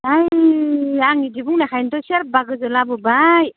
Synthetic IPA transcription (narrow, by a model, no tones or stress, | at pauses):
aj | aŋidibuŋnakʰajnt̪ɔseɾp̚baɡɯzɯlabɯbaj